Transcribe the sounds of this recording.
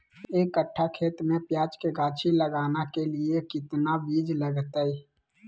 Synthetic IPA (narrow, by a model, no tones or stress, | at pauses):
eːkːəʈʰːakʰeːt̪mẽpjaːd͡ʒkeɡaːt͡ʃʰiləɡaːnakeliekɪt̪nabiːd͡ʒləɡt̪əi